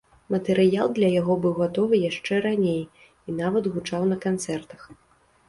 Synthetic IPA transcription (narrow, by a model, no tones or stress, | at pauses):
mɐt̪ɛɾɨjalˠd̪lʲɐjaɣɔbɨwɣat̪ɔvɨjaʂt͡ʂɛɾanʲej | in̪avɐd̪ɣut͡ʂawnɐkant̪sɛrt̪ɐ̥x